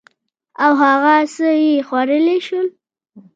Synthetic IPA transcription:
awɦaɣasəjexwaɾəleʃəl

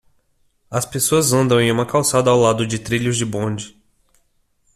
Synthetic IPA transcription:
ɐspesoɐzɐ̃nd̪ɐ̃w̃ẽj̃ũmɐkawsad̪ɐːwlad̪ʊd͡ʒɪt̪ɾiʎʊzd͡ʒɪbõd͡ʒɪ

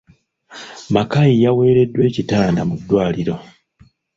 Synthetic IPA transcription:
makajijawe̞ːɾe̞dːwe̞ːcitaːndamudːwaːliɾo̞

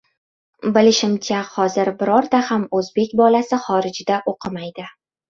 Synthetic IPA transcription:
bɪlɪʃɪmt͡ʃʰahɒzɪɾbɪɾɒɾd̪ahamɵzbe̞kʲbɒlasɪχɒɾɪd͡ʒɪd̪aʔoqʰɨmajd̪ɪ

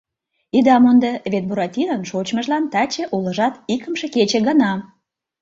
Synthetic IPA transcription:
id̪ɑmond̪əβet̪̚buɾɑt̪ʲinənʃot͡ɕməʒlɑnt̪ɑt͡ɕĕʔulə̆ʒɑt̪ikəmʃĕket͡ɕĕɣə̆nɑ

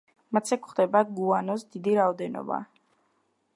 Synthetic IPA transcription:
mat̪sɛkχd̪ɛbaɡuanɔsd̪id̪iɾaɔd̪ɛnɔ̰ba̰

